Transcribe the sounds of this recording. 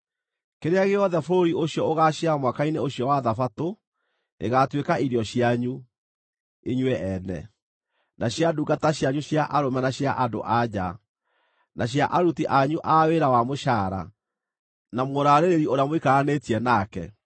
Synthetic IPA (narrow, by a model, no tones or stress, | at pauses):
keɾeaɣeɔðɛfoɾoɾioɕiɔoɣaɕjamwakaineoɕijɔwaðafato | nʔeɣatwekaiɾiɔɕijaɲu | eɲwɛʔɛnɛ̰ | naɕjaduɡataɕjaɲuɕjaʔaɾomɛnaɕjaʔado̰ʔad͡ʑa̰ | nʔaɕ̬jaʔaɾutiʔaɲuʔaweɾawamoʃaːɾa̰ | namoɾaɾeɾeɾioɾeamwikaɣanetiɛnaːkɛ̰